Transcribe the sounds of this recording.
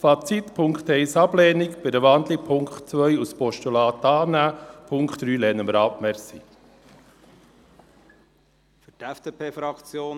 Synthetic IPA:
fɑt͡sit̪pʰʊŋkt̪ɛɪsɑblɛːnɪkb̥ɪdəʋɑnd̪lipʰʊŋkχtt͡sʋœjuspɔʃtulɑːt̪ɑːnæːpʰʊŋkχt̪ːɾyːlɛnəməɾɑːpmɛɾsḭ | fytɛfd̥eːpʰeːfɾɑkt͡sjoːn

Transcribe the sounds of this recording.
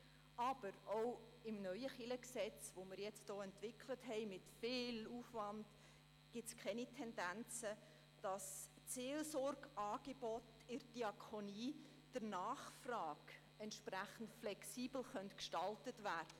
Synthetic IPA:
ʔɑb̥əɾoʊ | ɪmnœʏəχɪləksɛt͡sʋoməɾjɛt͡std̥oːɛntvɪkʰlətɦɛɪmɪtfɪːluːfʋɑnd̥ | ɡ̥ɪtskχɛnitʰɛndænt͡sə | d̥ɑs | t͡seːlsɔrɡɑːɡ̥eb̥ɔt | ɪɾd̥iɑkʰoniː | d̥əɾnɑːχfrɑːɡ | ɛntʃpræχən̩tflɛksiːbl̩χœntkʃtɑltətvæːrd̥ə

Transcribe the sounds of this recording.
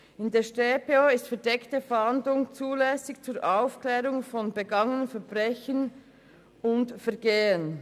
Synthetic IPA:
ɪndeːʃteːpeoːɪstfɛɐdɛktəfhɑndlʊŋt͡suːlɛːsɪçt͡suːɾʔaʊfklɛːɾʊŋfɔnbəɡɑŋənənfɛɐbʁɛçən | ʊntfɛɐɡeːən

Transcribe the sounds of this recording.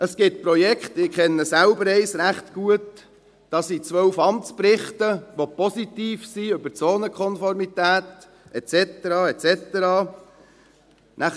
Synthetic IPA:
əsɡ̥ɪt̪̚pɾɔjɛkχtɪkχɛnːəsælbəɾɛɪsɾæχtɡ̥uət | d̥ɑsit͡sʋœwfɑmt͡spɾɪχt̪əʋopɔsit̪iːfsiøbəɾt͡soːnəkʰχɔnfɔɾmit̪æːt̪ | ɛt͡sɛt̪əɾɑːɛt͡sɛt̪əɾɑː | nʔæ

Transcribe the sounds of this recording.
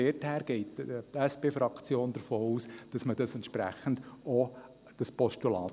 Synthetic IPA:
ɛthæːɾɡ̥ɛɪttɛsb̥eːfɾɑkt͡sjoːnd̥̪əɾfoːuːsd̥ɑsməd̥ɑsɛnt̪ʃpɾæ̰χən̩d̥o | d̥ɑspɔʃtulɑːt

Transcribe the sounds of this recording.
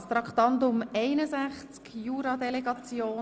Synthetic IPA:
st̪ɾɑkt̪ɑnt̪ʊmɛɪnəzæχt͡skjuːɾɑd̪ɛleɡɑt͡sjoː

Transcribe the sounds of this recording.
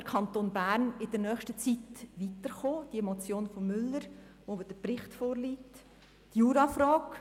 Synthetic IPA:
əɾkʰɑnt̪oːnbæɾnɪd̥əɾnœːχʃtət͡sitʋit̪əɾχoːd̥iɛmɔt͡sjoːnfɔmmːʏlːəɾ | ʋovd̥əpɾɪχtfoːɾliːtː | juːɾɑfɾɑːk

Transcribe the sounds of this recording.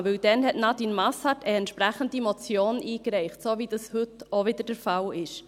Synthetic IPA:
ʋɵld̥ɛnɦɛtnɑtinmɑshɑtəɛntʃpɾæχəndimot͡sjoːnʔiːkɾɛɪχtsoːvid̥ɑshʏtovɪdəɾd̥əɾfɑlɪʃ

